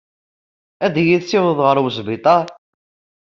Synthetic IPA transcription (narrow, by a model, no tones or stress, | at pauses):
æd̪jiðsɪwəðˤʁəɾˤwəsbɪt̪ˤɑ